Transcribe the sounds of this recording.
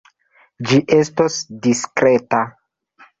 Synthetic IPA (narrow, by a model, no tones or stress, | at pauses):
d͡ʒiʔe̞stosdiskɾe̞ta